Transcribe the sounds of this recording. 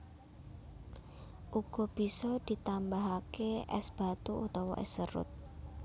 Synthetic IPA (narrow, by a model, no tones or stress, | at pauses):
ʔuɡ̥ɔ̤b̥i̤sɔd̪̥i̤t̪ambaɦakeɛ̰sb̥a̤t̪uʔut̪ɔwɔʔɛ̰səɾʊ̰t̪̚